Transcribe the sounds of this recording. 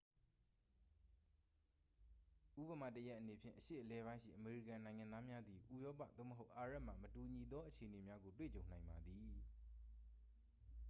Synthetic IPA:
ʔu˦pə˨ma̰˦˨təja˦ʔːəne˨pʰjɪ̰̃˨ʔəʃḛ˦˨ʔəlɛ˦bã˦ɪ̃ʃḭ˦˨ʔəme˨ɹi˦˨kã˨nã˨ɪ̃ŋã˨nða˦mja˦d̪i˨ʔu˦˨jɔ˦p̬a̰˦˨d̪o̰˦˨mə˨ɦo˦ʊʔa˨ɹa˦ʔm̥a̰˨mətu˨ɲi˨d̪ɔ˦ʔət͡ɕʰe˨ʔəne˨mja˦ɡo˨t̬wḛ˦˨t͡ɕõ˨ʊ̃nã˨ɪ̃mba˨d̪i˨

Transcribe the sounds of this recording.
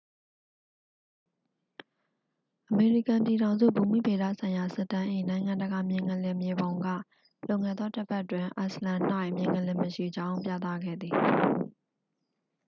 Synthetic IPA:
ʔəme˨ɹi˦˨kã˨mpji˨ɾã˨ʊ̃nzṵ˦˨bu˨m̥ḭ˦˨be˨da̰˦˨sʰã˨ɪ̃ja˨sɪ˦˨tːã˦ʔe˨nã˨ɪ̃ŋã˨ndə˨ɡa˨mjɪ̃˨ŋə̃˨lɛ̃˨mje˨bõ˨ʊ̃ŋɡä̰˦˨ | lõ˦˨ŋɛ̃˨d̪ðɔ˦tə˦pʰɛ˦ʔtwɪ̃˨ʔa˨slã˨n̥a˦˨ɪʔmjɪ̃˨ŋə̃˨lɪ̃˨məʃḭ˦˨d͡ʑã˦ʊ̃pjä̰˦˨t̪ä̰˦˨ɡɛ̰˦˨d̪ði˨

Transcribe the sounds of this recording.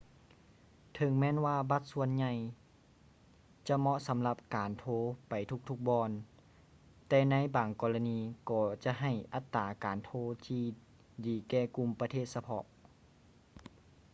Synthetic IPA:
t̪ʰɤ˨˧˦ŋmɛː˧˥˨nwaː˧ba˧˦t̪̚su˧ənɲa˧j | t͡ɕa˧mɔ˧ʔsa˨˦mla˧p̚kaː˨˩nt̪ʰoː˧pa˨˩jt̪ʰu˧˥k̚t̪ʰu˧k̚bɔː˧n | t̪ɛː˧na˧˥jbaː˨˩ŋkɔː˧˩la˧niː˧kɔː˧˩t͡ɕa˧˨ʔɦa˧˩jʔa˧˦t̪ːaː˨˩kaː˨nt̪ʰoː˧˥t̪ʰiː˧ | diː˨˩kɛː˧˩ku˧˨mpa˧t̪ʰeː˧˩t̪̚sa˧pʰɔ̰˧ʔ

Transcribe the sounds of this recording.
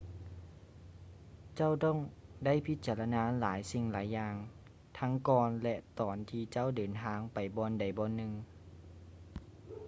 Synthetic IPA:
t͡ɕa˥˩˨wt̪ɔː˥˩˨ŋda˥˩˨jpʰi˧˦t̪̚t͡ɕaː˨˧˨la˧naː˧˥laː˩˨˦jsi˧ŋlaː˩˦jːaː˧ŋ | t̪ʰa˧˥ŋkɔː˧nlɛ˧ʔt̪ɔː˨˩nt̪ʰiː˧t͡ɕa˥˩˨wdɤː˨˩nt̪ʰaː˧˥ŋpa˨˩jbɔː˧nda˨˩jbɔː˧˨nːɯ˧ŋ

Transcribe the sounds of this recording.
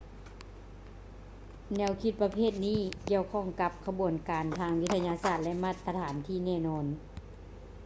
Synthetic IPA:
nɛ˧˩˥wkʰi˧˥t̪̚pa˧pʰeː˥˩t̪̚niː˧˥˩ki˧˩əwkʰɔ˧˥˩ŋka˧˥p̚kʰa˧bu˨˩ənkaː˨˩nt̪ʰaː˧ŋwi˦˧˥t̪ʰa˧ɲaː˧saː˧˩t̪̚lɛ˧ʔma˧˩t̪ʰːa˧t̪ʰaː˨˩˦nt̪ʰiː˧˥˩nɛː˧˩nɔː˧˥n

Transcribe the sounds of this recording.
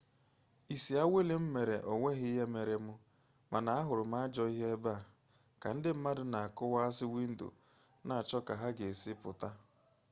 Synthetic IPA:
i˨si˨a˦we˦le˨m̩˦me˨ɾe˨ʔo˨ŋʷe˦ɦɪ˦ɦe˦me˨ɾe˨mʊ˦ | ma˨na˨a˦ɦʊ˨ɾʊ˨m̩˦a˦a˦d͡ʒɔ˦i˦ɦe˦ba˦˨ | ka˨n̩˦dɪ˦m̩˦ma˦dʊ˨na˨a˨kʊ˦wa˦a˦sɪ˦wi˦n̩˦dṵ˨ | na˨a˨t͡ʃɔ˦ka˨ɦa˦ɡe˨e˨si˦pʊ˨ta˦

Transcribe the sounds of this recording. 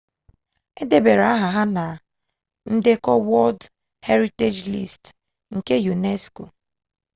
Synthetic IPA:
e˦de˦be˨ɾa˦ɦa˨ɦa˦na˨ | n̩˦de˦kɔ˦wɔ˦ld | he˦ɾi˦te˦d͡ʒlḭ˦˨st | ŋ̩˨ke˦ju˨ne˦sko˨

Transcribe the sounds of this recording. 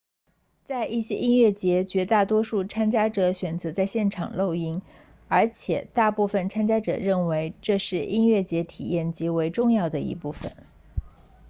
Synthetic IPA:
t͡sa˥˧ɪʔi˥˩ɕjɛ̰˥ʔi˥nɥɛ˥˩t͡ɕjɛ˧˥t͡ɕɥɛ˧˥t̪a˥˩t̪wɔ˥ʂu˥˩t͡sʰa˥nt͡ɕja˥ʈ͡ʂɤ˧˥ɕɥɛ˨˩nt͡sɤ˧˥t͡sa˥˧ɪɕjɛ˥˩nʈ͡ʂʰɑ̰˨˩ŋlo˥˧ʊi˥ŋ | ə˞˧˥t͡ɕʰjɛ˨˩˦t̪a˥˧pu˥˩fə˨˩nt͡sʰa˥nt͡ɕja˥ʈ͡ʂɤ̰˨˩ɻə˥˩nwe˧˥ɪʈ͡ʂɤ˥˧ʂɻ̩˥˩i˥nɥɛ˥˩t͡ɕjɛ˧˥t̪ʰḭ˨˩jɛ˥˩nt͡ɕi˧˥we˧˥ɪʈ͡ʂʊ˥˧ŋjɑ˥˩ʊd̪ə˩ḭ˧˥pu˥˩fə̰˩n

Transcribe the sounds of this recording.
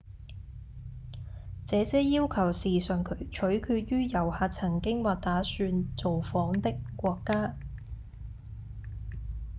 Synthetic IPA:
t͡sɛː˨˧t͡sɛː˨˥jiː˥wkʰɐ˨˩wsiː˨sœː˨ŋkʰɵ˨˥ɥt͡ʃʰɵ˨˥ɥkʰyː˧t̚jyː˥jɐ˨˩whaː˨˧t̚t͡sʰɐ˨˩ŋkɪ˥ŋwaː˨t̚t̪aː˨˥syː˧nt͡so˨wfɔː˨˥ŋt̪ɪ˥kːʷɔː˧kːaː˥

